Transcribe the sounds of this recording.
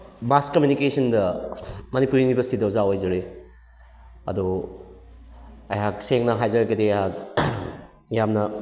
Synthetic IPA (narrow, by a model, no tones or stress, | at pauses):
baskɐmjunikesʰɐndɐmɐnipuɾiŋibeɐsitidɐuzaojzɐɾe | ɐdo | ɐjɦak̚seŋnɐɦajzɐɾɐɡɐdeɦak̚ | jamnɐ